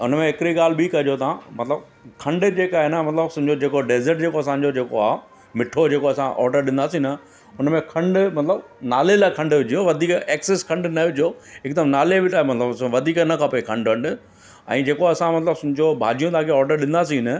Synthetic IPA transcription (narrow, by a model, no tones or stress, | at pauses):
ʊnmẽɪkɪɾiɠaːl̤ɪbikɐd͡ʑot̪ãmɐt̪ləb | kʰɐ̃ɳɖd͡ʑeːkaːɦenəmɐt̪ləbsʊ̃ɦɪ̃d͡ʑod͡ʑeːkoɖeːzəɾʈ̚d͡ʑeːkoɐsãːɲ̆d͡ʑod͡ʑeːkoaː | mɪʈʰod͡ʑeːkoɐsãʔɔ̰ːɾɖəɾɗɪ̃nd̪aːsĩnɐ | ʊnmẽkʰɐ̃ɳɖmɐt̪ləbnaːlelaːkʰɐ̃ɳɖʋɪd͡ʑʱijoʋɐd̪ʱiːkeːkseskʰɐ̃ɳɖnɐʋɪd͡ʑʱijoɪk̚d̪əmnaːlebɪt̪aːemɐt̪ləbʋɐd̪ʱiːknɐkʰapoekʰɐ̃ɳɖkɐ̃ɳɖ | ɛ̰̃ːd͡ʑeːkoɐsãmɐt̪ləbsʊ̃ɦɪ̃ɲd͡ʑobʱa̰ːd͡ʑijõt̪ãːkʰeɔːɾɖəɾɗɪ̃n̆d̪as̬ĩnɐ